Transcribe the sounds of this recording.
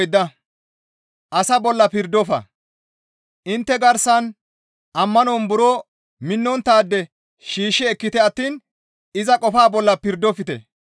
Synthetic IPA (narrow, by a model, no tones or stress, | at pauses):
jd̪ːɐ | ʔɐsɐbɔlːɐpɪɾd̪ːɔfɐ̰ | ʔɪnt̪ːɛɡɐɾsɐn | ʔɐmːɐnoːnbʊɾoː | mɪnːɔnt̪aːd̪ːɛ | ʃiːʃːɛɛkːɪt̪ɛɐt̪ːiːn | ɪzɐkʼɔfaːbɔlːɐpɪɾd̪ɔfɪt̪ɛ̰